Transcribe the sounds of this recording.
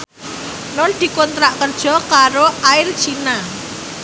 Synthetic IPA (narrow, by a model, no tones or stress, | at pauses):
nʊnd̪̥i̤kɔnt̪ɾaʔkərd̥ʒ̥ɔ̤kaɾoaɪrt͡ʃina